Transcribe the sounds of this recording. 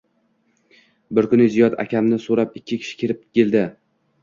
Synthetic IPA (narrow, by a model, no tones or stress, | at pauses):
bɪɾkʊnɪzijɒd̪ʰa̰kʲamnɪsoɾapɪkʲʰːɪkʲʰɪ̥ʃɪ̥kʲʰeɾɪp̚kʲeld̪ɪ